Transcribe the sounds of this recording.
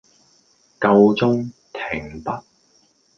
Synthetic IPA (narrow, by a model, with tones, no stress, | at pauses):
kɐ˧wt͡sʊ˥ŋt̪ʰɪ˨˩ŋpɐ˥t̚